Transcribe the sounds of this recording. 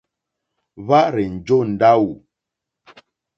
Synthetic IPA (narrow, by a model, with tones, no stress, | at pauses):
βa˦ʔɾɛ˨n̩˨d͡ʒo˦˨n̩˨da˦wu˨